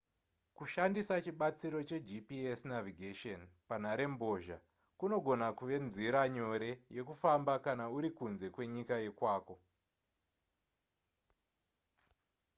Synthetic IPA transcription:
kuʃandisat͡ʃiɓat͡siɾo̞t͡ʃe̞d͡ʒipiesnaviɡʱeʃonpan̤aɾe̞mbo̞ʒa | kuno̞ɡʱo̞nakuʋe̞nziɾaɲo̞ɾe̞je̞kufambakanauɾikunze̞kwe̞ɲikaje̞kwaːko̞

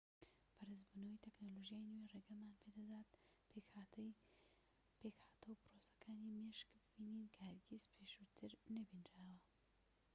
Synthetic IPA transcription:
pʰɐɾɨzbuːnɐwɐjt̪ʰeknoloʒijaːjnwereɡɐmaːnpʰed̪ɐd̪aːt̪̚ | pekhḁːt̪ʰɐwpɾosɐ̥kʰaːnimeʃkbɨbiniːnkʰahɐɾɡizpʰeʃut̪ʰɨɾnɐbinɾawɐ

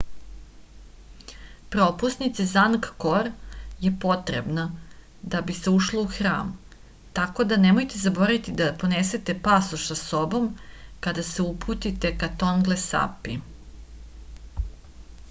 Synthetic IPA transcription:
pɾo̞pusnit̪sezankkoɾje̞po̞t̪ɾḛbna | d̪abise̞uʃlouxɾa̰ːm | t̪ako̞d̪ane̞mo̞jt̪e̞zaboɾait̪id̪apo̞nese̞t̪e̞pasuʃsaso̞bo̞mkad̪ase̞upʰut̪it̪e̞kat̪o̞nɡlesa̰pi

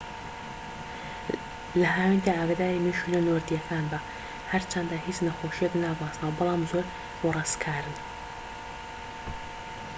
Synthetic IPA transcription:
lɐɦaːwink̪aaːɡaːd̪aːɾiːmiʃulɐnoːɾd̪ijɐkʰaːnd̪aː | hɐɾt͡ʃʰɐnd̪aːhit͡ʃnɐxoːʃijeknaːbɑːsnawbɨlˠɑːmzoɾ | xorˤɑskʰaːɾɨn

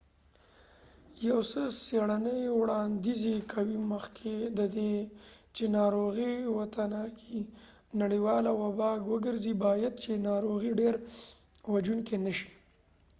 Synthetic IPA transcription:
jawsəseɽanəjwɽɑnd̪izekʰawiməxkʰed̪əd̪et͡ʃenɑɾoɣiwat̪anɑki | naɽiwɑlawabɑɡwəɡəɾzibɑjad̪̚t͡ʃenɑɾoɣiɖeɾ | wad͡ʒunkenəʃi̥

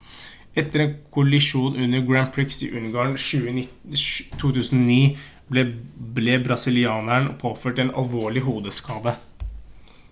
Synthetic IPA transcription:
ɛt̪ːəɾɛːnkʰʊɑlɪʂuːnʔʉnːəɾɡɹæmpʰɹɪksɪ̰ʔʉnɡɑːɳʃʉːənɪt̪ʰuːt̪ʉːsn̩oɔniː | blɛblɛːbɾɑsɪlɪɑːnæɳɔpʰoːføːʈɛnɑ̰lʋoːɭɪɦuːd̪əskɑːd̪ə

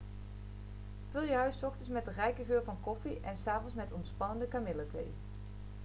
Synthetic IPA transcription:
v̥ølˠjəɦœɥsɔχtəsmɛt̚dərɛjkəɣøːɹvɑnkɔfiʔɛnsaːvɔnsmɛtɔnspɑnəndəkamɪlətḛj

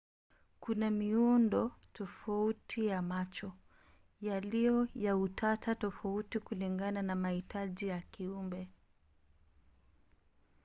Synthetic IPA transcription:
kunamiundɔtʰɔfautʰijamat͡ʃɔ | jalijɔjautʰatatɔfautikuliŋɡananamahitaʄijakiumbɛ

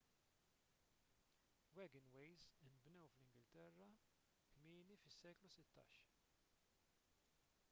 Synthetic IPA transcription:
wɛɡɪnwɛjzɪnbnɛwflɪŋɡɪlt̪ɛrːɐ | kmɪːnifɪsːɛːklusɪt̪ːɐ̰ːʃ

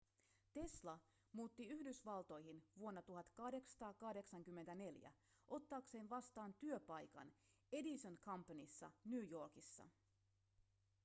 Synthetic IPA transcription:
t̪e̞slɑ | muːt̪ːiyhdysʋɑlt̪o̞jɦinʋuo̞nːɑt̪uɦɑt̪kɑhde̞ksɑ̥t̪ɑːkɑhde̞ksɑŋk̟ymːent̪æne̞ljæ̰ | ʔo̞t̪ːɑːkse̞ːnʋɑst̪ɑːnt̪yø̞pɑjkɑ̰n | e̞disønkʰɑmpːɑnisːɑ̰nyːjo̞rkisːɑ̰

